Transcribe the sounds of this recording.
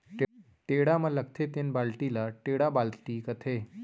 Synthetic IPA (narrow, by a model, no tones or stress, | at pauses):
ʈ | ʈeɽamələkt̪ʰet̪enbalʈilaʈeɽabalt̪iːkət̪ʰe